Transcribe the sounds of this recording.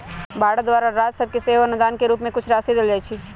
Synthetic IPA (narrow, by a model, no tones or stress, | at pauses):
baːɽd̪ʋaːɾaɾaːd͡ʒ̪sɐb̚keseːʋɐnʊd̪aːnkeɾuːpmẽkʊt͡ʃʰɾaːsid̪ɪld͡ʒaːt͡ʃʰiː